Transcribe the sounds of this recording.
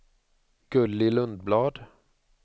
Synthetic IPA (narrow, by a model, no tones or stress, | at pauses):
ɡ̥ɵliːlɵnd̪̚blɑːd̪